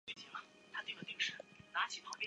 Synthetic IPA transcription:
i˥˧˩t͡ɕi˥˩ɐ˨˩ | t̪ʰa˥t̪i˥˩ɡə˩t̪i˥˩ŋʂɻ̩˥˩na˧˥t͡ɕʰi˨˥˩p̪ʰɑ˧˥ŋpjɛ˥

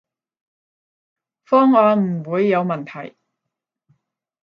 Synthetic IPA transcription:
fɔː˥ŋwaː˨˧˥m̩˨˩wuː˨˧jːɐ˨˧wmɐ˨˩nt̪ʰɐ̰˨˩j

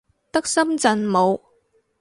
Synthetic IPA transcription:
t̪ɐ˥k̚sɐ˥mt͡sɐ˨˩nmo˨˧w

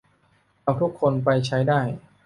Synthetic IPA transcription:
a˧wt̪ʰu˦˥kʰːo˧npa˧jt͡ɕʰa˦˥jdaː˥˩j

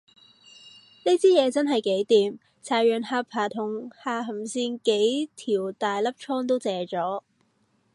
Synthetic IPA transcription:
ni˥t͡siː˥jɛː˨˧t͡sɐ˥nɦɐ˨jke˨˥jt̪iː˨m | t͡sʰaː˨˩jjœː˨˩nhaː˧pʰaː˨˩t̪ʰʊ˨˩ŋhaː˧ɦɐ˨˩msiː˧nke˨˥jt̪ʰiː˨˩wt̪aː˨jlɐ˥p̚t͡ʃʰɔː˥ŋt̪o˥wt͡sɛː˨˧t͡sɔː˨˥

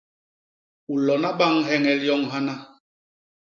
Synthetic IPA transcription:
u˨lɔ˨na˦ɓa˦ŋɦɛ˦ŋɛ˨ljɔ˦ŋɦa˦na˦

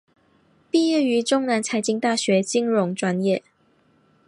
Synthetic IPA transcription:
pi˥˧jɛ˥˩y˧˥ʈ͡ʂʊ˥ŋna˧˥nt͡sʰa˧˥ɪt͡ɕi˧˥ŋt̪a˥˩ɕɥɛ˨˥t͡ɕi˥ŋɻʊ˧˥ŋʈ͡ʂwa˥njɛ˥˨

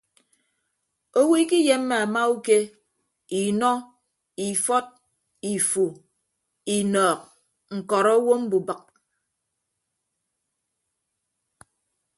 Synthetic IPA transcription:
o˦wi˦ki˦je˦mː˦e˨a˨ma˦u˦ke˦ | i˨nɔ˦ | i˨fɔ˦t̚ | i˨fu˨ | i˨nɔː˨k̚ | ŋ̩˨kɔ˨ɾɔ˦wo˦m̩˦bu˨bə˨k̚

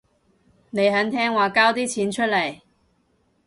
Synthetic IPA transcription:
ne˨˧jɦɐ˨˥nt̪ʰɛː˥ŋwaː˨kaː˥wt̪iː˥t͡sʰiː˨˥nt͡ʃʰɵ˥t̚lɐ˨˩j

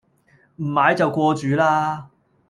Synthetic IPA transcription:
m̩˨˩maː˨˥jt͡sɐ˨˩wkʷɔː˧t͡ʃyː˨˧laː˧

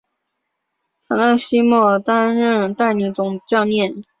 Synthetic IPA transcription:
t̪ʰa˨˩˥nd̪ə˥˧ɕi˥mɔ˥˩t̪a˥nɻə˥˧nt̪a˥˩ɪni˧˥t͡sʊ˨˩ŋt͡ɕjɑ˥˧ʊnjɛ˥˩n

